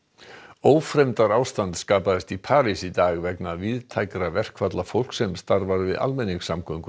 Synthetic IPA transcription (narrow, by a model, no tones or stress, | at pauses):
oːwfɾɛmt̪aɾaːwst̪ant̪skaːpaðɪst̪ipʰaːɾisit̪aːɣvɛknavɪðt̪ʰajkɾavɛr̥kʰvat̪lafowl̥ksɛmst̪aɾvaɾvɪða̰lmɛnɪxsamkʰœŋkʏ